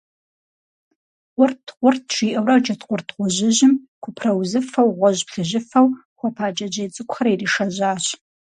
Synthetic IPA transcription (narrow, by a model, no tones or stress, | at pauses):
ʁʷʊrtʰqʷʊrtʰʃʷiːʔɐwrɐwt͡ʃɐtqʷʊrtʰʁʷɔʑɪʑɪm | kʷʊpʰrɐwzɨfɐwʁʷɔʑpɬɨʑɪfɐw | χʷɔpʰaːd͡ʒʼɐd͡ʒɐjt͡sʼɨkʷʰʼxɐɾiriːʃɐʑaːɕ